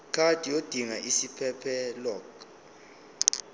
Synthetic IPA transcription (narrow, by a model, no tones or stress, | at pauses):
kʰʼad̥ʱʼijod̥ʱiŋaʔisipʰɛpʰɛlɔːk